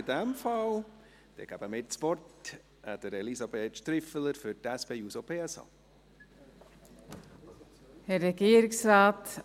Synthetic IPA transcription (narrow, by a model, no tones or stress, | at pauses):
dɛmfɑl | d̪̥ɛ̰ɡ̥æb̥əmetspɔrt | æ̰d̥əɾɛlisɑbeːt̪ʃt̪ɾɪfələɾfʏɾtɛspejuːsopʰeːɛsɑ̰ː | hɛɾɛɡeːɾɪŋsɾɑːt̪